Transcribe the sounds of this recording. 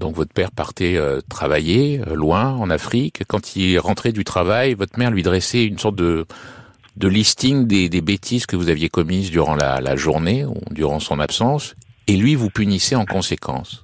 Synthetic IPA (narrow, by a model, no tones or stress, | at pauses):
d̪ɔ̃kvɔt̪χpɛʁpaʁt̪ɛøt̪χavajelwɛ̃ɑ̃nafχikːɑ̃t̪ʰilʁɑ̃t̪χɛd̪yt̪χavajvɔt̪χmɛʁlɥid̪ʁɛsɛynsɔʁt̪̚d̪ə | d̪əlist̪iŋd̪ed̪ebet̪ʰizkəvuzavjekɔmizd̪yʁɑ̃la̰la̰ʒuʁneṵd̪yʁɑ̃sɔ̃napsɑ̃selɥivupynisɛɑ̃kɔ̃sekʰɑ̰̃s